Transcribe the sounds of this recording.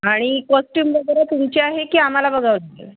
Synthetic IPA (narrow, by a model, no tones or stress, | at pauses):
aɽ̃ikɔsʈjuːmʋəɡəɾət̪umt͡ɕeaɦekiːam̤alabəɡʱaʋlaɡḛl